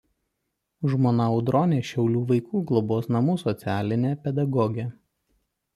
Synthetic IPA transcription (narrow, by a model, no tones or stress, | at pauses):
ʒmoːnɐɔʊd̪ɾɔːnʲeːʃʲɛʊlʲuːʋɐɪkuːɡlˠɔboːsnɐmuːsɔt̪sʲæːlʲɪnʲeːpʲɛd̪ɐɡɔɡʲɛ